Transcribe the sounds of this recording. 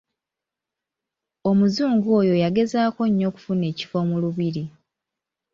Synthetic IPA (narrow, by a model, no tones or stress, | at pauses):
o̞muzuːŋɡo̞jo̞jaɡe̞zaːko̞ɲːo̞ku̥fune̞ːci̥fo̞muluβiɾi